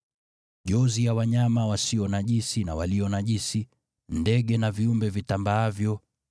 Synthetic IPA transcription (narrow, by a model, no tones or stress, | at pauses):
ʄɔzijawaɲamawasiɔnaʄisinawaliɔnaʄisi | ndɛɠɛnaviumbɛvitambaːvjɔ